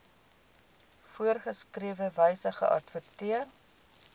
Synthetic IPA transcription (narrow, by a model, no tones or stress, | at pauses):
fuərχəskriəvəvəjsəχə̰ʔɐ̰tfətiər